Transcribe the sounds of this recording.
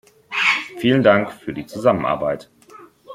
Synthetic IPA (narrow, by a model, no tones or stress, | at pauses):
fiːləndaŋkfyːɐdiːt͡suzamənʔa̰ɐbaɪt